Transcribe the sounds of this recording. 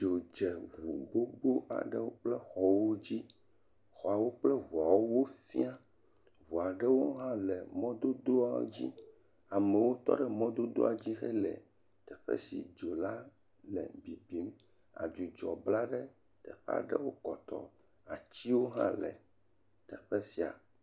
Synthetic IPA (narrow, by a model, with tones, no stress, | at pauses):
d͡ʒo˨d͡ʒɛ˨ɣu˨ɡ͡bo˦ɡ͡bo˦ʔa̰˨ɖɛ˦wo˦k͡plɛ˦xɔ˨wo˦d͡ʑi˦ | xɔ˨a˨wo˦k͡plɛ˦vu˨a˨wo˦wo˦fi˦a˦˨ | βu˨a˨ɖɛ˦wo˦ɦã˦lɛ˨mɔ̃˦d̪o˦d̪o˦a̰˦d͡ʑḭ˦ | a˨mɛ˨wo˦t̪ɔ̰˦ɖɛ˨mɔ̃˦d̪o˦d̪o̰˦a˨d͡ʑi˦xɛ˦lɛ̰˨ | t̪ɛ˨ɸɛ̰˦sḭ˨d͡ʒo˨la˦ | lɛ̰˨bi˨bi˦m | a̰˨d͡ʒu˨d͡ʒɔ˨bla˦ɖɛ˦ | t̪ɛ˨ɸɛ̰˦a̰˨ɖḛ˦wo˦kɔ˨t̪ɔ̰˨ | a˨t͡ɕi˦wo˦ɦã̰˦lɛ̰˨ | t̪ɛ˨ɸɛ˦si˨a̰˨